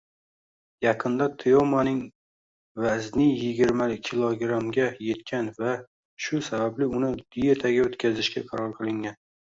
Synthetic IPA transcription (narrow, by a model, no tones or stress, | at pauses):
jɑqʰɨnd̪at̪ʰejomanɪŋ | vaznɪjɪɡʲɪɾmakʲʰilˠoɡɾamɡʲaje̞t̪kʲʰanva | ʃʊsabablɪʊnɪd̪̥ɪjet̪ʰaɡʲaot̪kʲʰazɪʃkʲa̰qʰɑɾɒɾqʰɨlˠɪŋɡʲan